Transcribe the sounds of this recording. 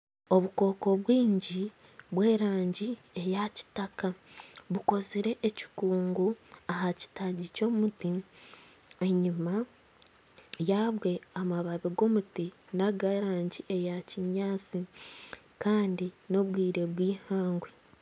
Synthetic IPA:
o̞βuko̞ːko̞βwiːɲɟi | βwe̞ːɾaːɲɟie̞jaci̥takaβuko̞ziɾe̞ʔːci̥kuːŋɡuaɦaci̥taɟico̞ːmuti | e̞ɲima | jaβwe̞amaβaβiɡo̞mutinaɡaɾaːɲɟiʔe̞jaciɲaːt͡si | kaːndino̞βwiːɾe̞βwiːhaːŋɡwe

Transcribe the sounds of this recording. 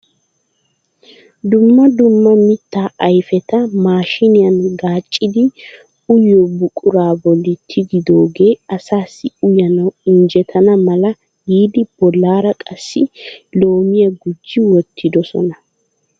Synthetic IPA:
d̪ʊmːɐd̪ʊmːɐmɪt̪ːaːʔɐjfɛt̪ɐmaːʃɪnɪjɐnɡaːt͡ʃʼːɪd̪ɪ | ʊjːɔbʊkʼʊɾaːbɔlːɪt̪ʰːɪɡɪd̪o̞ːɡe̞ːɐsaːsːɪʊjɐnɐwɪnd͡ʒɛt̪ʰɐnɐmɐlɐ | ɡiːd̪ɪb̥ɔlːaːɾɐkʼɐsːɪlo̞ːmɪjɐɡʊd͡ʒːɪwɔt̪ʰːɪd̪ɔsɔ̰nɐ

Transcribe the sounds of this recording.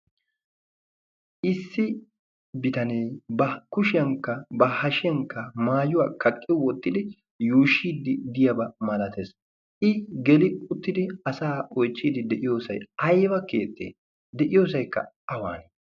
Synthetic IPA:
ʔɪsːɪ | bɪt̪ɐneːbɐkʊʃɪjɐŋkːɐbɐhɐʃɪjɐŋkːɐmaːjʊwa̰ːkɐkʼːɪwɔt̪ːɪd̪ɪ | juːʃːiːd̪ɪd̪ɪjɐbɐmɐlɐt̪ʰes | ʔɪɡɛlɪʊt̪ːɪd̪ɪɐsaːɔjt͡ʃːiːd̪ɪd̪ɛʔɪjo̞ːsɐ̰jɐjbɐkeːt̪ːḛː | d̪ɛʔɪjo̞ːsɐjkːɐ̰ | ɐwa̰ːn

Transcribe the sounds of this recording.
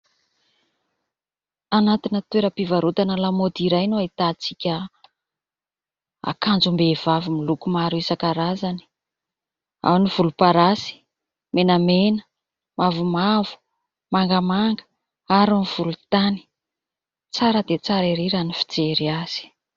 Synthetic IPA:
anat̪inət̪weɾəpivaɾut̪anəlamod̪iɾajnoait̪at͡sikʲə | a̰kand͡zumbevavimilukumaɾuisakaɾazani̥ | a̰wniv̥ulupaɾasi̥ | menəmenə̥ | mavumavu̥ | maŋɡəmaŋɡə̥ | aɾuniv̥ulut̪ani̥ | t͡saɾəd̪et͡saɾiɾeɾanifi̥d͡zeɾiaz̥i̥

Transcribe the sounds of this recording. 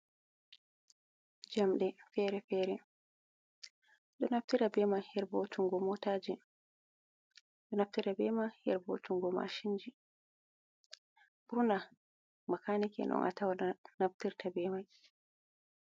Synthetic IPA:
d͡ʒamɗɛfɛɾɛfɛɾɛ | ɗɔnaftiɾabɛmajhɛɾbotuŋɡɔmɔtaːd͡ʒi | ɗɔnaftiɾabɛmajhɛ̰ɾbo̰tuŋɡɔma̰ʃind͡ʒi | buɾuna | makanikɛ̰nɔ̰ŋʔa̰tawanaftiɾtʰabɛmaj

